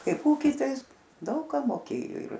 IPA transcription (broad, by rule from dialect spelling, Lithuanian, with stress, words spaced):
ˈkɐɪp ˈuːkʲiː ˈtɐɪ ˈɪs ˈdɐʊk kɑː moːˈkʲeːjoː ɪr